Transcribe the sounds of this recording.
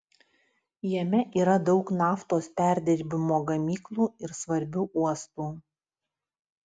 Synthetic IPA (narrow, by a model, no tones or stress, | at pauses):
jɛmʲɛʔiːɾɐd̪ɒʊknɑːft̪oːspʲæˑɾʲd̪ʲɛɾʲbʲɪmoːɡɐmʲiːklˠuːɪɾsʋɐɾʲbʲuːʔuɔst̪uː